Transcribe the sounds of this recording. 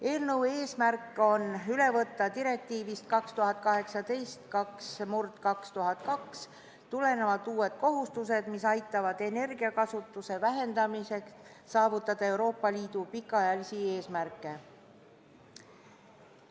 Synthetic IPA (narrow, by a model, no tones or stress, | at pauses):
e̞ːlnəwe̞ːsmærkːˑo̞nyle̞vɤt̪ˑːɑt̪iɾe̞k̚t̪iːvist̪̚kɑkst̪uɦɑt̪̚ːˑkɑɦe̞ksɑd̪e̞jst̪kɑksmurt̪kɑkst̪uɦɑt̪̚kɑks | t̪ule̞ne̞vɑd̪uːe̞d̪̥̚ko̞ɦust̪us̬e̞d̪̥misɑjt̪ːˑɑvɑd̪̥e̞ne̞rɡ̥iɑkɑsut̪ːˑuse̞væɦe̞nd̪̥ɑmise̞k | sɑːvut̪ːˑɑd̪̥ɑe̞wɾo̞ːpːˑɑliːd̪̥upikːˑɑjɑlisie̞ːsmærkːˑe̞